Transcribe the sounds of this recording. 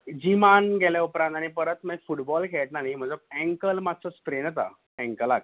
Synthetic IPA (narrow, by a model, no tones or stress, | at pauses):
d͡ʑimanɡʱɛlaupɾãnt̪aɽ̃ipəɾət̪mefuʈbɔlkʰɛʈnaɦim̤ə̃d͡zeɛ̃ŋkəlmat̪t͡sɔspɾenət̪a̰ | ɛ̃ŋkəlak̚